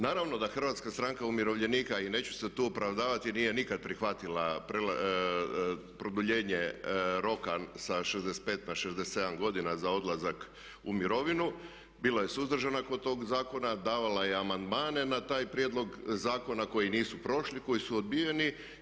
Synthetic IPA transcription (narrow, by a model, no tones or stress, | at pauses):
naːɾaʋno̞d̪axr̩ʋat̪skast̪ɾaŋkaumiɾo̞ʋʎe̞niːkaine̞ːt͡ɕu̥set̪uːopɾaʋd̪aːʋat̪iniːje̞nikad̪̚pɾixʋat̪ilapɾela | pɾod̪uʎe̞ːɲeɾo̞kasaʃezd̪ese̥t̪pe̞ːt̪naʃezd̪eset̪se̞d̪amɡo̞d̪inazao̞d̪lˠazak | umiɾo̞ʋinu | bilˠaje̞suzd̪r̩ʒanakod̪̚t̪o̞ːɡzaːko̞nad̪aːʋalaje̞amand̪maːne̞nat̪aːjpɾjed̪lo̞ɡzaːko̞nako̞jiniːsupɾo̞ʃliko̞jisuod̪̚bije̞ni